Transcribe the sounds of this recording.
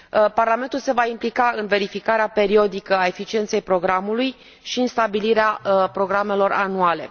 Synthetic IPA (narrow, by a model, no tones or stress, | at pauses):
parlame̞nt̪ulse̞vaimplikaɨnve̞ɾifikaɾeape̞ɾio̞d̪ikəae̞fit͡ʃient̪se̞jpɾo̞ɡɾamuluj | ʃiɨnst̪abiliɾeapɾo̞ɡɾame̞lo̞ra̰nuale̞̰